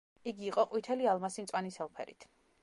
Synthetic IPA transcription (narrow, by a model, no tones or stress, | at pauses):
iɡiːqʼɔqʼwit̪ʰɛlialˠmasimt̪ʼwanisɛlˠpʰɛ̰ɾḭt̪ʰ